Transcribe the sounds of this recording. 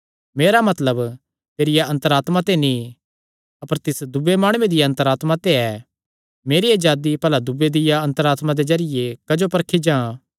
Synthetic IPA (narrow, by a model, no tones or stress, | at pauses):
meːɾamɐt̪ləb | t̪eːɾɪjaɐ̃nt̪əɾaːt̪mat̪enĩ | ɐpəɾt̪ɪsd̪ʊbemaːɽ̃uːẽd̪ɪjaɐ̃nt̪əɾaːt̪mat̪eɛ | meːɾied͡ʒaːd̪ipɐlad̪ʊbed̪ɪjaɐ̃nt̪əɾaːt̪mad̪ezɐɾɪjekɐd͡ʒopɐɾkʰid͡ʒãː